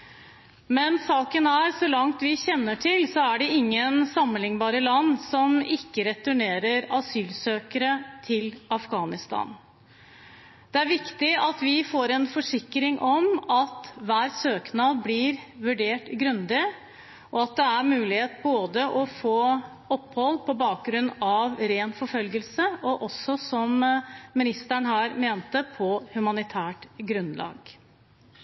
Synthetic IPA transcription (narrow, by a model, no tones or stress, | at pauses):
mɛnsɑːkənæɾsɔlɑŋt̪ʋɪçɛnːəʈʰɪlsɔæɖɛɪŋːənsɑmːənɪŋbɑːɾəlɑnːsɔmɪkːəɾɛt̪ʉɳeːɾəɾɑsyːlsøːkəɾət̪ʰɪlɑfɡɑːnɪst̪ɑ̰ːn | d̪̥ɛæɾʋɪkt̪ɪɑt̪ʋɪfoːɾɛnfɔʂɪkːɾɪŋʔɔmɑt̪ʋæːɾsøːknɑːlblɪɾʋʉɖeːʈɡɾʉnd̪ɪ | ʔɔɑt̪̚d̪ɛæɾmʉːlɪheːt̪boːd̪əʔɔfoː | ɔpːhɔlːpʰɔbɑːk̚ɡɾʉnːɑʋɾeːnfɔɾfœlɡəlsəʔɔʔɔsɔsɔmːɪnɪst̪æɳɦæːɾmeːnt̪əpʰɔhʉmɑnɪt̪ʰæːʈɡɾʉnlɑ̰ːɡ